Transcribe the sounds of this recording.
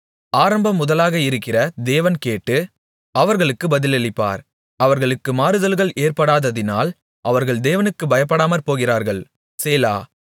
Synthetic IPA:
aːɾɐmbɐmːʊðɐlaːɣɐɪɾɯkːɪrɐd̪eːʋɐnkeːʈːɯ | ɐʋɐɾɣɐɭɯkːɯbɐðɪlɛɭɪpːa̰ːɾ | ɐʋɐɾɣɐɭɯkːɯmaːɾɯðɐlɣɐɭeːrpɐɽaːðɐðɪna̰ːl | ʔɐʋɐɾɣɐɭd̪eːʋɐnɯkːɯbɐjɐp̬ːɐɽaːmɐɾpoːɣɪraːɾɣɐɭ | seːla̰ː

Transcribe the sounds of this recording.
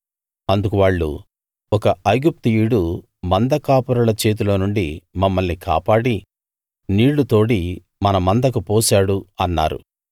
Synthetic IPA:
ɐnd̪ukuʋaːɭːṵ | ɔkɐɐjɡup̚t̪uiɽu | mɐnd̪ɐkaːpuɾulɐt͡ʃe̞ːt̪̬ulo̞ːnuɳɖimɐmːɐlnika̰ːpaːɽi | niːɭːut̪o̞ːʈi | mɐnɐmɐnd̪ɐkupoːsaːɽuɐnːa̰ːɾṵ

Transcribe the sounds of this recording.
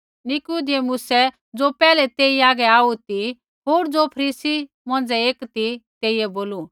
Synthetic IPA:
nɪkud̪emʊsɛ | d͡zopɛːlɛt̪eːiaːɡɛaːut̪i | ɦoːɾd͡zopʰɐɾiːsi | mɔ̃ːn̆d͡zɛeːkt̪it̪eːijɛboːlu

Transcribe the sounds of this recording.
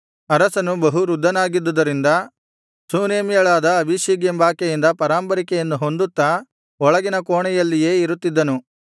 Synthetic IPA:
ɐɾɐsɐnubɐɦuɾud̪ʱːɐnaːɡid̪ːud̪ɐɾind̪ɐ | suːneːmijɐɭaːd̪ɐːbʱiʃiːɡjɐmbaːkɛjind̪ɐpɐɾaːmpɐɾikɛjɐnːuɦo̞nd̪ut̪ːɐ | ɔɭɐɡinɐkoːɳɛjɐlːije̞ːiɾut̪ːid̪ːɐnu

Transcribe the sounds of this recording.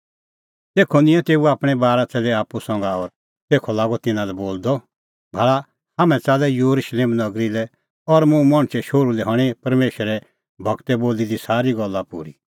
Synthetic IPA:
t̪eːkʰɔnɪ̃ɛ̃t̪eːuaːpɽ̃ɛbaːɾat͡sɛlɛaːpusɐ̃ŋɡaɔɾ | t̪eːkʰɔlaːɡɔt̪ɪnãlɛboːld̪ɔ | bʱaːɭa | hamɛ̃t͡saːlɛjuɾuʃleːmnɐɡɾilɛ | ɔɾmũmɔɽ̃t͡ʃɛʃoːɾulɛɦɐɽ̃epɐɾmeːʃəɾɛ | bʱɐɡt̪ɛboːlid̪isaːɾiɡɔlːapṵːɾḭ

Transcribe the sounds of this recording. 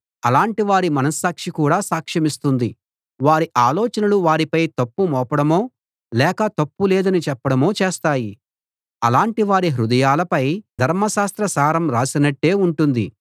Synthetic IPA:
ɐlaːɳʈiʋaːɾimɐnɐsaːkʂikuːɽaːsaːkʂɐmist̪und̪i | ʋaːɾiʔaːlɔːt͡ʃɐnɐluʋaːɾipɐjt̪ɐpːumɔːpɐɽɐmo̞ː | lɛːkɐt̪ɐpːuleːd̪ɐnit͡ʃɛpːɐɽɐmo̞ːt͡ʃeːst̪aːji | ɐlaːɳʈiʋaːɾiɦɾud̪ɐjaːlɐpɐjd̪ʱɐɾmɐʃaːst̪ɾɐsaːɾɐmɾaːsinɐʈːe̞ːuɳʈund̪i

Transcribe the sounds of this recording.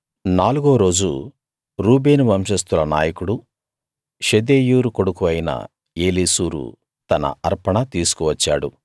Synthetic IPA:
naːluɡoːɾo̞ːd͡ʒu | ɾuːbeːnuʋɐmʃɐst̪ulɐnaːjɐkuɽu | ʃed̪eːjuːɾukoɽukuʋɐjinɐ̰ | eːliːsuːɾṵ | t̪ɐnɐ̰ɐɾpɐɳɐt̪iːsu̥kuʋɐt͡ʃːa̰ːɽu

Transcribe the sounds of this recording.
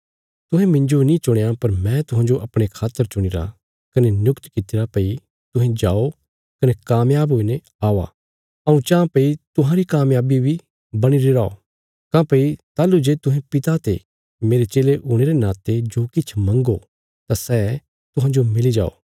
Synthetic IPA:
t̪ʊɦɛ̃mɪ̃ɲd͡ʒonĩt͡ʃʊɽ̃ejapɐɾmɛ̃t̪ʊɦãːd͡ʒoʔɐpɽ̃ekʰaːt̪ːəɾt͡ʃʊɽ̃ɪɾa̰ | kɐnenjʊkt̪kɪt̪ɪɾapɐi | t̪ʊɦẽd͡ʒaːo | kɐnekaːmjaːboːine | aːʋa̰ | ɐũt͡ʃãːpɐit̪ʊɦãɾikaːmjaːbibʱi | bɐɽ̃iɾiɾaːo̰ | kãːpɐit̪aːlud͡ʒeːt̪ʊ̃ɦɛ̃pɪt̪at̪ḛ | meːɾet͡ʃeːleʔʊɽ̃eɾenaːt̪ed͡ʒoːkɪt͡ʃʰmɐ̃ŋɡo | t̪asɛː | t̪ʊɦãːd͡ʒomɪlid͡ʒa̰ːo̰ː

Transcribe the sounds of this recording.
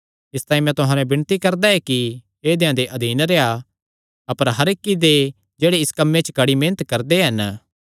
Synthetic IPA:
ɪst̪aːĩmɛ̃t̪ʊɦãːnɛ̃bɪnt̪ikɐɾd̪aɛki | eːd̪eãd̪eʔɐd̪ʱiːnɾea | ɐpəɾɦɐɾekːid̪e | d͡ʒeːɽeɪskɐmːẽt͡ʃəkɐɽimẽːnət̪kɐɾd̪eɦɐn

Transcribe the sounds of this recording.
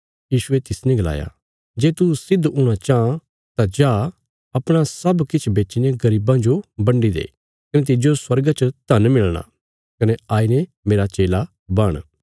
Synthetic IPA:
jiːʃʊet̪ɪsnɛ̃ɡɐla̰ːja̰ː | d͡ʒeːt̪usɪd̪ɦuɽ̃at͡ʃaã | t̪ãd͡ʒaː | ɐpɽ̃asɐbkɪt͡ʃʰbeːt͡ʃineɡɐɾiːbãd͡ʒobɐ̃ɳɖid̪ḛː | kɐnẽt̪̬ɪd͡ʒoswɐɾɡat͡ʃət̪ɐnmɪɭɽ̃a̰ | kɐneaːine | meːɾat͡ʃeːla | bɐɽ̃

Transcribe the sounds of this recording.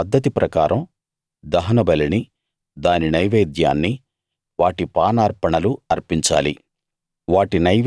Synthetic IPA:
ɐd̪ʱːɐt̪̬ipɾɐkaːɾʔɐm | d̪ɐɦɐnɐbɐlɐni | d̪aːninɐjʋeːd̪ja̰ːnːi | ʋaːʈipaːnaːɾpɐɳɐluɐɾpiɲt͡ʃa̰ːli | ʋaːʈinɐjʋ

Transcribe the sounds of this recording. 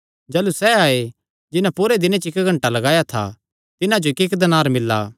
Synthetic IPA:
d͡ʒɛːlusɛaːe | d͡ʒɪnãpuɾed̪ɪnẽt͡ʃɪkɡʱɐ̃ɳʈalɐɡaːjat̪ʰa̰ | t̪ɪnãd͡ʒoɪkɪkd̪ɐnaːɾmɪlːa̰ː

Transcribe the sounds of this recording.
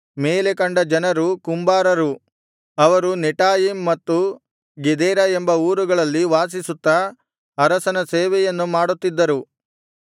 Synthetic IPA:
meːle̞kɐɳɖɐd͡ʒɐnɐɾukumbaːɾɐɾu | ɐʋɐɾuniʈaːjimːɐt̪ːu | ɡed̪ɛːɾɐembɐuːɾuɡɐɭɐlːiʋaːs̬isut̪ːɐː | ɾɐsɐnɐseːʋɛjɐnːumaːɽut̪ːid̪ːɐɾu

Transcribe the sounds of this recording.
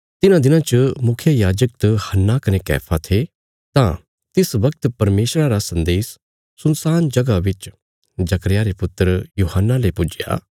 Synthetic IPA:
t̪ɪnãd̪ɪnãt͡ʃəmʊkʰjajaːd͡ʒək̚t̪əhɐnːakɐnekɛ̰ːpʰat̪ʰe | t̪ã | t̪ɪsʋɐk̚t̪pɐɾmeːʃɾaɾasɐ̃nd̪eːsː | ʊnsaːnd͡ʒɐɡaʋɪt͡ʃ | d͡ʒɐkəɾjaɾepʊt̪ːəɾjuːɦənːalepʊd͡ʒɪja̰ː

